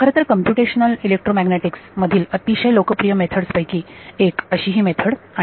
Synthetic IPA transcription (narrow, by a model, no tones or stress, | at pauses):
kʰəɾə̃t̪əɾkəmpjuʈeɕnəlilek̚ʈɾomæɡneʈiksməd̪ʱiːlət̪iɕelokəpɾijəmet̪ʰəɽspəjkiːekəɕiːɦiːmet̪ʰəɽa